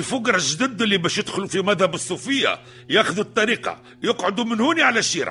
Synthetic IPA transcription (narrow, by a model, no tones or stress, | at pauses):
lfʊɡɾˤɑʒd̪əd̪ːəlːibæʃjəd̪xʊlufimæðhæbəsˤːufəjːa̰ | jæxðut̪ˤːɑɾiqɑ̰ | jəqʕod̪umənhuniʕalæʃiɾɑ̰